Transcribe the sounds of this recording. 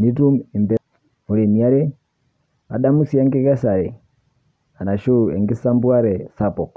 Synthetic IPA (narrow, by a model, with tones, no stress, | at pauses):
mi˦tu˦mɛ˨ndɛ˨˦ | mu˨ɾɛ˨mi˨a˦ɾɛ˦ | a̰˨da˦mu˦si˦a˦ŋɡɛ˦ɣɛ˦sa˨ɾɛ˨ | a˨na˨ʃu˦˨ɛ̰˨ŋɡi˦sa˦mbu˦a˦ɾɛ˨sa˨pɔ˨k